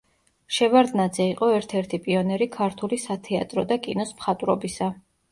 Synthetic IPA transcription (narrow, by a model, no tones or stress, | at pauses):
ʃɛvaɾd̪nad̪zɛiqʼɔɛɾt̪ʰɛɾt̪ʰipʼiɔnɛɾikʰaɾt̪ʰulisat̪ʰɛa̰t̪ʼɾɔd̪akʼḭnɔsmχat̪ʼwɾɔbisa